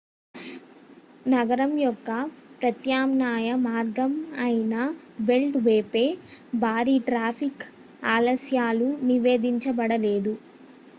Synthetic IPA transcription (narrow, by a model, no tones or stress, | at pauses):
nɐɡɐɾɐmjɔkːɐpɾɐt̪jaːmnaːjɐmaːɾɡɐmɐjinɐ | be̞lʈʋeːpe̞ːbʱaːɾiʈɾaːpʰik | aːlɐsjaːluniʋe̞ːd̪iɲt͡ʃɐbɐɽɐle̞ːd̪u